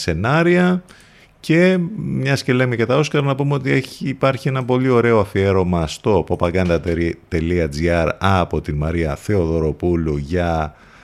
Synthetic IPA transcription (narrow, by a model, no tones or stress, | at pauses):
se̞nɐɾiɐ | ce̞mɲɐsce̞le̞micet̪ɐo̞skɐɾnɐpumeot̪̬ieçːpɐɾçie̞nɐpo̞lio̞ɾe̞oɐfie̞ɾo̞mɐst̪o̞po̞pɐɡɐnd̪ɐt̪e̞liɐd͡ziɐɾɐpo̞t̪inmɐɾiɐθe̞o̞ðo̞ɾo̞puluʝɐ